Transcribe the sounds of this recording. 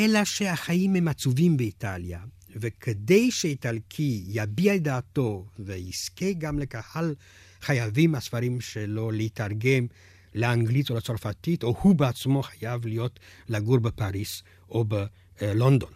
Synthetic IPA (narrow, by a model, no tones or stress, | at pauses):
ʔelaʃehaχaimhemat͡suvimbeit̪alja | vekʰed̪e̞jʃeit̪halkʰijabiald̪aːt̪o̞veiskeɡamlekahal | χajavimhasfaɾimʃelo̞leitaʁɡe̞m | leaŋɡlitolet͡soʁfat̪itohubeat͡smo̞χajavlijo̞tlaɡuɾbepaʁis | ʔobe | lo̞nd̪o̞n